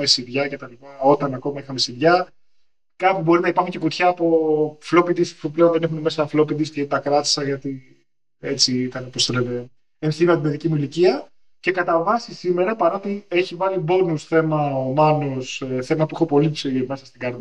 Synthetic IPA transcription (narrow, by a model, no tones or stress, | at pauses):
esiðʝɐce̞t̪ɐlipɐo̞t̪ɐnɐko̞mɐixɐmesiðʝɐ | kɐpibo̞ɾinɐipɐɾxuɲce̞kot̪çɐːpo̞flo̞pid̪ispupleo̞nðenexunemesɐflo̞pid̪iscet̪ɐkɾɐt̪i̥sɐʝɐt̪i | et͡siit̪ɐneposeɾet̪e | enθinɐt̪ime̞ðicimuiliciɐ | ce̞kɐt̪ɐvɐsisime̞ɾɐpɐɾo̞t̪ie̞çivɐlibo̞nusθe̞mɐomɐnoseθe̞mɐpuixo̞po̞lipsime̞sɐst̪iɡɐɾð